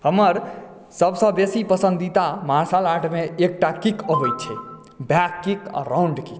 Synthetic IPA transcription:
həməɾ | səbsə̃besipəsə̃nd̪it̪amaɾsalaʈʰmeːk̚ʈakikəbəjt͡ʃʰɛ | bjakːikã̰ɾauɳɖkik

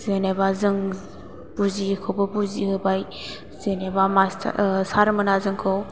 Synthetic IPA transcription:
zenebazɯŋ | b̥uzikʰowbɯbuzihɯbaj | zenebama̰saɾmɐnazɯŋkʰɯw

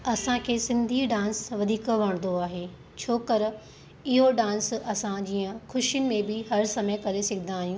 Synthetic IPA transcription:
ɐsãkʰeːsɪ̃nd̪ʱiːɖãːnsʋɐd̪ʱiːkʋɐɽ̃nd̪oaːɦeː | t͡ɕʰoːkəɾ | ɪɦoɖãːnsɐsãd͡ʑiːə̃xʰʊʃijʊnɪ̆mẽbɪɦɐɾsɐməjəkɐɾesɐɡʱd̪aːɦijũː

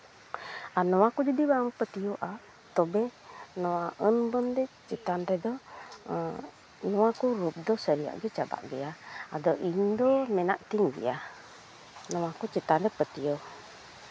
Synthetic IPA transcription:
anɔwakud͡ʒadibaŋpət̪ioʔa | t̪ɔbɛnɔwaʔənbɔndɛt͡ʃɛt̪anɾɛdɔ | nɔwakuɾup̚dɔsəɾia̰ʔɡɛt͡ʃaba̰ʔɡɛaadɔʔindɔmɛnaʔt̪iŋɡḭa | nɔwakut͡ʃɛt̪anɾɛpət̪io

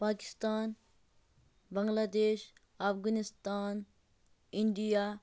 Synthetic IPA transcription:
paːki̥st̪aːn | bɐ̃ŋɡlaːd̪eːʃ | ɐfɡanist̪aːn | ɪɳɖijaː

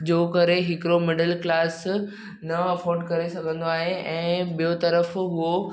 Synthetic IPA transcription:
d͡ʑoːkɐɾeɦɪkɪɾomɪɖəlklaːs | nɐɐfɔːɾɖkɐɾesɐɡʱə̃nd̪oaːɦeɛ̃ːbijot̪ɐɾəfɦʊo

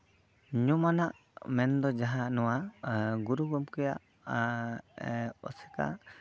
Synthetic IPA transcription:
ɲumanaʔ | mɛnd̪ɔd͡ʒaɦanɔwaɡuɾuɡɔmkɛjaʔ | ɔ̰sɛ̥ka̰

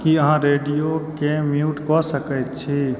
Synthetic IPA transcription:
kiəɦãɾeːɖijokemjuːʈkɔsəkət͡ʃʰi

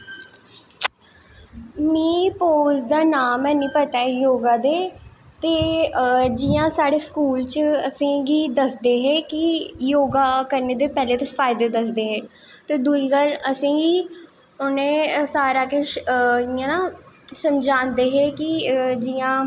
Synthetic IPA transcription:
mĩːpoːzd̪aːnaːmɛ̃ːnĩːpət̪aːɛjoːɡãːd̪eːt̪eː | d͡ʒɪːjãːsaːɽeːskuːlt͡ʃəəsĩːɡiːd̪əsd̪eːɦɛːkɪjoːɡaːkəɾneːd̪eːpɛːleːt̪eːfʰaːɪd̪eːd̪əs̬d̪eːɦɛːt̪eːd̪uiːɡələsĩːɡiː | ʊnẽːsaːɾaːkeʃiãːnãːsəmd͡ʒãːnd̪eːɦɛːkɪd͡ʒijãː

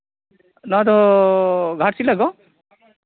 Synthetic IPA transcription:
nad̪ɔ | ɡʱaʈsilaɡɔ

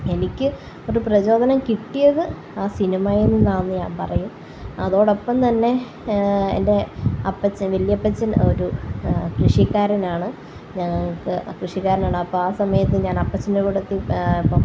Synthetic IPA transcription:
e̞nikʲːɨ | o̞ɾuprɐt͡ɕo̞ːd̪ʱɐnɐmkiʈːijɐðɨ | aːsinimaːjenːɨnaːnːɨɲaːnpɐrɐjum | ɐðo̞ːɽo̞pːɐmt̪ɐnːe̞ | ḛnde̞ɐpːɐt͡ɕːɐʋiljɐpːɐt͡ɕːɐnoɾukrɨʂikːaːɾɐnaːɳɨ | ɲɐŋːɐɭkɨkrɨʂikːaːɾɐnaːɳɨɐpːoaːsɐmɐjɐt̪ːɨɲaːnɐpːɐt͡ɕːɐndekoɽut̪ːiipːom

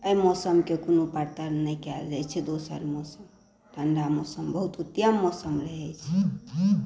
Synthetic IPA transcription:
əjmɔsəmkekunopaɾt̪əɾnəjkɛld͡ʒɛt͡ʃʰɛd̪osə̰ɾmɔsəm | ʈ̪ʰəɳɖamɔsəmbəɦut̪ut̪jamːɔsəmɾəɦɛt͡ʃʰɛ

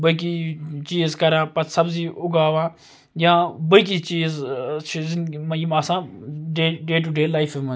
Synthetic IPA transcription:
bək̬it͡ʃiːzkɐɾãːpɐt̪sɐbziːʊɡaːʋãː | jãːbək̬it͡ʃiːzt͡ʃʰizɪnmjimaːsãːɖeːɖeːʈ̬uɖeːlaɪfemə̃

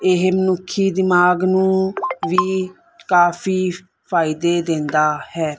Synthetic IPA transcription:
ɪɦmənʊkʰːiːd̪ɪmaːɡnũːʋiː | kaːpʰiː | pʰaːɪd̪eːd̪ɪ̃nd̪aːhɛː

